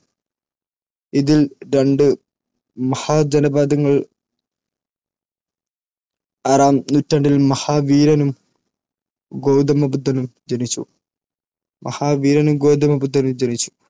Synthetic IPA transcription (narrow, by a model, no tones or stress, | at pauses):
iðilɾeɳɖɨ | mɐhaːd͡ʑɐnɐbaːd̪ɐŋːɐɭ | ɐɾaːmnutːɐɳɖilmɐhaːʋiːɾɐnum | ɡoːwd̪ɐmɐbud̪ʱːɐnumd͡ʑɐnit͡ɕːṵ | mʔɐ̰haːʋiːɾɐnumɡo̞ːd̪ɐmɐbud̪ːɐnumd͡ʑɐnit͡ɕːu̥